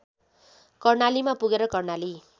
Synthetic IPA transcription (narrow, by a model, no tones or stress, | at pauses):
kʌrnalimapuɡeɾʌkʌrnali